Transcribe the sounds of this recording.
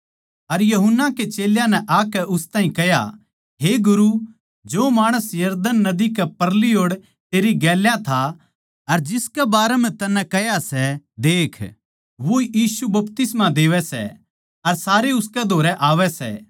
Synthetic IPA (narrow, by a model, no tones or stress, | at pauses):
ɐɾjɐɦʊnːaket͡ʃeːljãnɛʔaːkɛʔʊst̪aːɦĩkɛɦja̰ | ɦeɡʊɾu | d͡ʒoːmaːɽ̃əsjɐɾd̪ənːɐd̪ikɛpɐɾlioːɽ | t̪eːɾiɡɛːljãt̪ʰa | ɐɾd͡ʒɪskɛbaːɾɛmɛ̃t̪ɐnːɛ̃kɛjasɛd̪eːkʰ | ʋoijiːsubɐpt̪ɪsmãd̪eːʋɛsɛ̰ | ɐɾsaːɾeʊskɛd̪ʱoːɾɛʔaːʋɛsɛ̰ː